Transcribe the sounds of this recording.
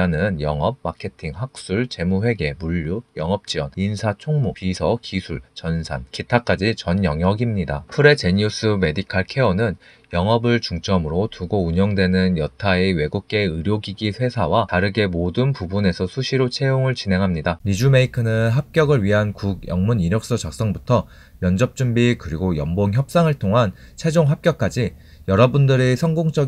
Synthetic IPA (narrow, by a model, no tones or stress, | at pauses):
anɯnjʌŋʌp̚makʰe̞tʰiŋɦak̚s͈uɭt͡ɕe̞muɸwe̞ɡe̞muʎːujʌŋʌp̚t͡ɕ͈iʌninsʰat͡ɕʰoŋmupisʰʌkisʰuɭt͡ɕʌnsʰa̰nkitʰak͈ad͡ʑit͡ɕʌnjʌŋjʌɡimɲidapʰɯɾe̞t͡ɕe̞ɲus͈ɯme̞dikʰaɭkʰe̞ʌnɯn | jʌŋʌbɯɭt͡ɕuŋt͡ɕ͈ʌmɯɾotuɡouɲʌŋdwe̞nɯnjʌtʰaewe̞ɡuk̚k͈e̞ɯɾjoɡiɡisʰwe̞sʰawataɾɯɡe̞modɯnpubune̞sʰʌsʰuɕʰiɾot͡ɕʰe̞joŋɯɭt͡ɕine̞ŋɦamɲidaɲid͡ʑume̞ikʰɯnɯnɦap̚k͈jʌɡɯɭɥiɦankuɡjʌ̰ŋmuniɾjʌk̚s͈ʌt͡ɕak̚s͈ʌŋbutʰʌ | jʌnd͡ʑʌp̚t͡ɕ͈umbikɯɾiɡojʌmboŋçjʌp̚s͈aŋɯɭtʰoŋɦant͡ɕʰe̞d͡ʑoŋɦap̚k͈jʌk̚k͈ad͡ʑi | jʌɾʌbundɯɾesʰʌŋɡoŋt͡ɕ͈ʌ